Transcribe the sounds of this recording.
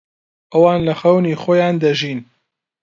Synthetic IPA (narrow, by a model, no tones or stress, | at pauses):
ʔɐwɑːnlɐxɐwniːxoːjaːnd̪ɐʒiːn